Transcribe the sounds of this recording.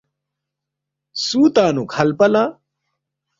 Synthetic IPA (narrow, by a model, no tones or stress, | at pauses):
suːt̪aːnukʰɐlpɐlãː